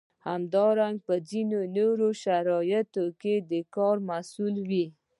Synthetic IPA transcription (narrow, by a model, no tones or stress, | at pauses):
hamd̪ɑɾaŋɡ̚pəzinonoɾoʃaɾɑjat̪oked̪əkɑɾmasulwi